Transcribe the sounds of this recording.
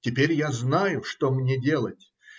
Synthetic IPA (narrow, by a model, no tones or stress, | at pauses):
tʲɪpʲeɾʲjaznajʊʂt̪omnʲedʲe̞lˠətʲ